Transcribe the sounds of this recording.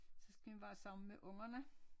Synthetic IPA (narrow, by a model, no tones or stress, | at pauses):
sɒ̽sɡ̥æʋiʋæːsɑ̈mn̩meʔɔ̽ŋɐnə